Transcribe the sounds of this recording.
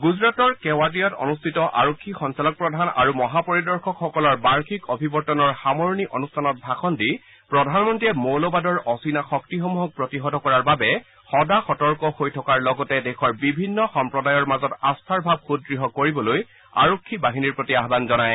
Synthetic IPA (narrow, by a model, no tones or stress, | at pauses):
ɡuzɹatɔɹkɛwat̬ijɔtɔ̰nustʰitɔʔa̰ɹokʰːixɔnsalɔk̚pɹɔdʱana̰ɹumɔɦapɔɹidɔɹxɔkxɔkɔlɔɹbaɹkikɔbʱibɔɹtɔnɔɹxamɔɹniʔɔnustʰanɔt̚bʱaxɔndi | pɹɔdʱanmɔntiɛmolɔbadɔɹɔsinaxɔktixɔmuɦɔk̚pɹɔtiɦɔdɔkɔɹaɹbabɛ | xɔdaxɔtɔɹkɔhojtʰɔkaɹlɔɡɔtɛdɛxʰɔɹbibʱinːɔxɔmpɹɔdajɔɹmazɔtastʰaɹbʱab̚xud̚ɡɹiɦɔkoɹibɔloj | a̰ɹokʰːibaɦiniɹpɹotiaɦbanzɔnaj